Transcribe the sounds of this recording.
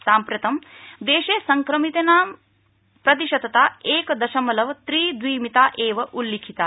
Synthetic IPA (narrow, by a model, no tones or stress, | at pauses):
saːmpɾjɐt̪ɐmd̪eːʃeːsɐŋkɾɐmit̪enaːm | pɾɐt̪̬iʃɐd̪ɐt̪aːeːkɐd̪ɐʃɐmɐlɐʋɐt̪ɾiːd̪ʋiːmit̪aːʔeːʋɐʔulːikʰit̪aː